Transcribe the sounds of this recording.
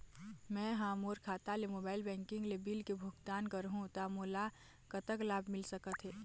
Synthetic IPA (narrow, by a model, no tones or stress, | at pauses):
mɛ̃ːɦãːmoːɾkʰaːt̪alemoːbaːɪlbɛ̃ːŋkɪ̃ŋɡlebiːlkebʱʊɡt̪aːnkəɾɦũt̪amoːla | kɐt̪əklaːbʱmɪlsəkət̪ɦɛː